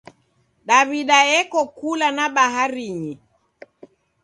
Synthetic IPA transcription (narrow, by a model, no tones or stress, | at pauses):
ɗaβiɗaɛkɔkulanaɓaɦaɾiɲi